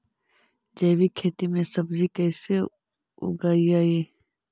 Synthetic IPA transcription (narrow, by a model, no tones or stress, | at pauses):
d͡ʒeːwikʰeːt̪imẽsɐbzikɛːse | ʊ̰ɡaːiaːiː